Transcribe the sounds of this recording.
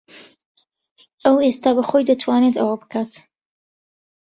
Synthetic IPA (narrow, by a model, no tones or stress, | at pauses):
ʔɐwest̪aːbɐxojd̪ɐt̪ʰwaːnet̪ɐwabɨ̥kʰaːt̪